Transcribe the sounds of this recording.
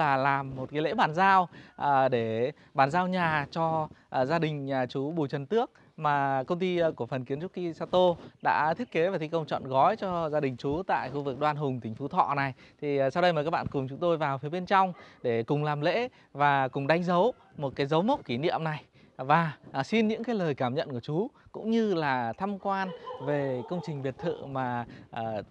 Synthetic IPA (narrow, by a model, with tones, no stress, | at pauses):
laː˨˩laː˨˩mːo˨˩t̚kaː˨˦lḛ˧˥ɓaː˨˩nzaː˧wʔəː˨˩ɗe˧˩ | ɓaː˨˩nzaː˧wɲaː˨˩t͡ɕɔ˧zaː˧ɗï˨˩ŋ̟˨˩t͡ɕu˨˦ɓu˨˩jt͡ɕə˨˩nt̪ɨ˦˥ək̚ | maː˨˩kə˧wŋ͡mt̪i˧ku˧˩əfə˨˩nki˨˦nt͡ɕʊ˦˥k̚xi˧saː˧t̪o˧ɗa̰ː˧˥t̪ʰi˦˥ət̚ke˨˦vaː˨˩t̪ʰi˧kə˧wŋ͡mt͡ɕɔ̰˧˨nɣɔ˨˦jt͡ɕɔ˧zaː˧ɗï˨˩ŋ̟t͡ɕu˨˦t̪a̰ː˧˨jxu˧vɨ˨˩k̚ɗwaː˧nɦʊ˨˩ŋ͡mt̪ï˧˩ŋ̟fu˨˦t̪ʰɔ̰˧˨na˨˩jt̪ʰi˨˩sa˧wɗə˧jmaː˨˩kaː˦˥k̚ɓa̰ː˧˨kʊ˨˩ŋ͡mt͡ɕʊ˨˦ŋ͡mt̪o˧jvaː˨˩wfi˨˦ɓe˧nt͡ɕa˧wŋ͡mɗe˧˩kʊ˨˩ŋ͡mlaː˨˩mlḛ˧˥ | vaː˨˩kʊ˨˩ŋ͡mɗa˧jŋ̟zə˨˦w | mo˨˩t̚kaː˨˦jzə˨˦wmə˦˥wk͡p̚ki˧˩nḭ˧˨əmna˨˩j | vaː˨˩si˧nɲɨ̰˧˥ŋkaː˨˦jləː˨˩jkaː˧˩mɲə̰˧˨nku˧˩t͡ɕu˨˦kʊ̰˧˥ŋ͡mɲɨ˧laː˨˩t̪ʰa˧mkwaː˧nve˨˩kə˧wŋ͡mt͡ɕï˨˩ŋ̟ɓi˨˩ət̚t̪ʰɨ̰˧˨maː˨˩ʔəː˨˩